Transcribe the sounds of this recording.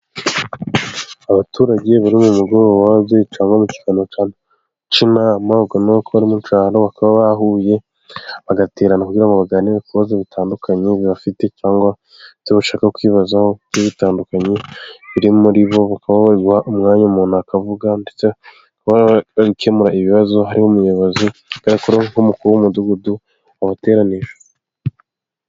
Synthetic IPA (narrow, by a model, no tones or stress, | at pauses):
aβatuːɾaɟe̞βaɾimumuɡoɾwaβet͡ʃaːŋɡomuci̥fanot͡ʃaːna | t͡ʃinamaβɡonokoβaɾimunt͡ʃaːɾoβakaβaβaɦuje̞ | βaɡateːɾanakuɟiɾaŋɡoβaɡaːniɾakuβazeβitʰaːndukʰaɲeβiβafite̞t͡ʃaːŋɡwa | teβaʃaːkakwiːβazaho̞jeβitaːndukaɲe̞βiɾimuɾiβo̞βakaβaβaɾiɡuhaʔumŋaːɲamuːn̥akavuɡande̞t͡se | akaβaβikʰe̞muɾaiβiβazo̞ɦaɾihomujoβazokaɾakuɾehomukuɾuwumuduɡudu | aβate̞ːɾaniʒḁ